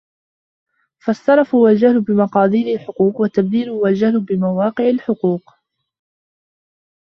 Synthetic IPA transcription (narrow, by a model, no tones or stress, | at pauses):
fɑsˤːɑɾˤɑfhʊwald͡ʒahlʊbɪmɑqɑːd̪ˤiːɾalħʊquːqwat̪ːabd̪iːlʊhwald͡ʒahlʊbɪmawɑːqɨʕalħʊquːq